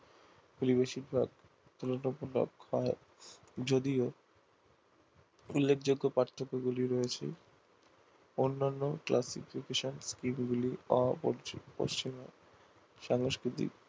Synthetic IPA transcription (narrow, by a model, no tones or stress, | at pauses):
koɾibeʃiɾbʱa̰ɡ | t̪ulonopulo̰khɔe | d͡ʑod̪io | ulːekʰd͡ʑoɡːopɾaɾt̪ʰːokːoɡuliɾoet͡ɕʰḛ | onːanːoklʔasḭfikeʃonskimɡuliɔ | po̰ʃt͡ɕima | ʃaŋoʃkɾit̪ḭk